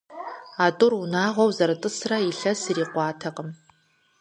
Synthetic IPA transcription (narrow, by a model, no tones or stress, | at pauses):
aːtʼʊrunaːʁʷɔwzɐɾɨtʼɨsrɐiɬɐsɨriːqʷɑːtʰɐqəm